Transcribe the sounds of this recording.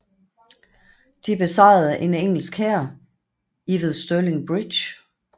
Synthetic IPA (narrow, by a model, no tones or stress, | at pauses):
d̥ib̥e̝sɑ̈ɪð̩ˠʔe̝neŋ̰l̩sɡ̥hæɐ̰ | iʋeðˠsd̥øleŋb̥ʁid̥ɕ